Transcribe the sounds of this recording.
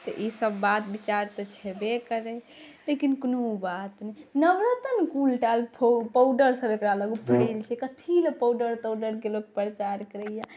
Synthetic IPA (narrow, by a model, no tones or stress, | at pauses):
t̪ɔʔisəbːat̪bit͡ʃaɾt̪ət͡ʃʰɛbekəɾɛ | lekinkənubat̪nɛnəbɾət̪ənkulʈalpʰpəʊɖəɾsəbekɾaləɡupəɽelt͡ʃʰɛkət̪ʰiləpəwɖəɾt̪əwɖəɾkelok̚pɾət͡ʃaɾkəɾəija